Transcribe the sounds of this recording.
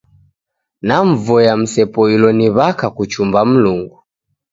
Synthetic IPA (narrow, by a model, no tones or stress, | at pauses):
naɱvɔjam̩sɛpɔilɔniβakakut͡ʃumbam̩luŋɡu